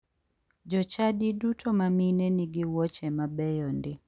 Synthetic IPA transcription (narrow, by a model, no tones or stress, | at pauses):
d͡ʒɔt͡ʃadidutʰomaminɛniɡɪwɔt͡ʃɛmabɛjɔndɪ